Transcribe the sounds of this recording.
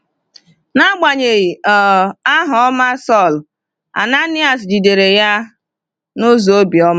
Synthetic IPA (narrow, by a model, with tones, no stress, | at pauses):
na˦ɡ͡ba˨ɲe˨ɣi˨ɔ˨a˦ɦʊ˨ɔ˦ma˦sɔ˦˨l | a̰˨na˦nɪ˦a˨sd͡ʒi˨de˨ɾe˨ja˦ | no˦zo˨o˦bi˨ɔ˦ma˦